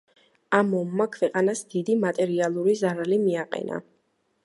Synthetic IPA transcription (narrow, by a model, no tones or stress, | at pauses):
amɔmːakʰvɛqʼanasd̪id̪imat̪ʼɛɾialˠuɾizaɾalimiaqʼɛ̰na̰